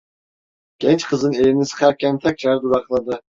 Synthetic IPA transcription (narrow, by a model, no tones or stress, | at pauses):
ɡ̥ɛnt͡ʃqʰɯzɯnelinisɯ̥qʰaɾkʲʰænt̪ʰak̚t͡ʃaɾd̪uɾɑχlˠad̪ɯ